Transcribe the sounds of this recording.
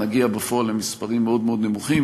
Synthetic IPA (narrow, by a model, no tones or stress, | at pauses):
aɡiabefoalemispaʁimːeo̞d̪meo̞d̪ne̞muχim